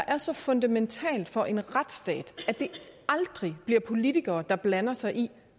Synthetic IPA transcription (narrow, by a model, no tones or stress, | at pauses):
ɑʔæɐsɒ̽fɔ̽nd̥æment͡sʰɛ̰ːld̥fɒ̽ʔe̝nʁad̥sd̥ɛ̰ːd̥æd̥e̝ɑ̈ld̥ʁib̥liɐ̰pʰo̝lit͡sʰiɡ̥ɐːd̥ɑ̈b̥lænɐsɑ̈ɪʔi